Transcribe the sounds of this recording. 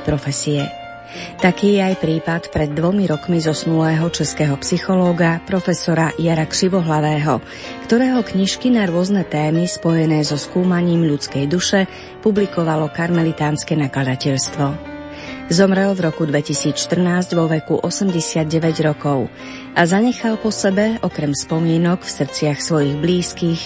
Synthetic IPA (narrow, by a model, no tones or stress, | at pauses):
pɾɔfɛsiɛ | t̪akiːjɛajpɾiːpat̪pɾɛd̪ːʋɔmiɾɔkmizɔsnulɛːɦɔt͡ʃɛskɛːɦɔpsixɔlɔːɡapɾɔfɛsɔɾajaɾakr̥iʋɔɦlaʋɛːɦɔ̰ | kt̪ɔɾɛːɦɔkɲiʃkinaɾʊɔznɛt̪ɛːmispɔjɛnɛːzɔskuːmaɲiːmʎut͡skɛjd̪uʃɛ | publikɔʋalɔkaɾmɛlit̪aːnskɛnaklad̪acɛʎst̪ʋɔ | zɔmɾɛlvɾɔkud̪ʋɛcisiːt͡sʃt̪r̩naːzɟʋɔʋɛkuʔɔsɛmɟɛsɪad̪̚ɟɛʋɛɟɾɔkɔʊ | ʔazaɲɛxalpɔsɛbɛʔɔkɾɛmspɔmɪɛnɔkfsr̩t͡sɪaxsʋɔjiɣbliːskix